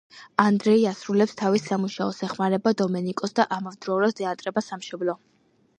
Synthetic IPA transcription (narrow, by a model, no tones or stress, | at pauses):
and̪ɾɛiasɾulɛpst̪ʰavisamuʃaɔsɛχmaɾɛbad̪ɔmɛnikʼɔsd̪aʔamɔvd̪ɾɔuɾasd̪ɛant̪ʼɾɛbasamʃɔblˠɔ